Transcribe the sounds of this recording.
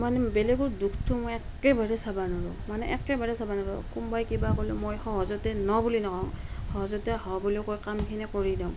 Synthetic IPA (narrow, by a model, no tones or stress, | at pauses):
manɛbelɛɡɔɹdukʰtʰumɔjɛkːebaɹɛsabanɔɹɔ̰manɛʔɛkɛbaɹɛsabanɔɹɔ̰kumbajkibakolɛmojxɔɦɔzɔtɛnɔbulinɔkãhɔɦɔzɔtɛhɔbulikojkamkʰinɛkoɹidam